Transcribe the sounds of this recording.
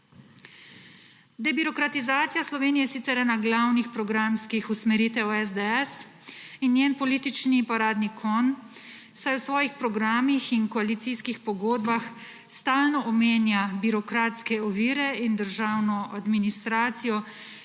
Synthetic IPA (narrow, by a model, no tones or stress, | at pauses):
d̪ɛbiɾɔkɾat̪izaːt̪sijaslɔʋeːnijɛjɛsiːt̪ɛɾɛːnaɡlawnixpɾɔɡɾamskixusmɛɾiːt̪ɛwɛzd̪ɛɛs | injeːnpɔliːt̪it͡ʃnipɔɾaːd̪nikʰɔn | sajwsʋɔːjixpɾɔɡɾaːmixinkɔaliːt̪siskixpɔɡoːd̪bax | st̪aːlnɔʔɔmeːnjabiɾɔkɾaːt̪skɛɔʋiːɾɛind̪əɾʒawnɔʔad̪minist̪ɾaːt̪sijɔ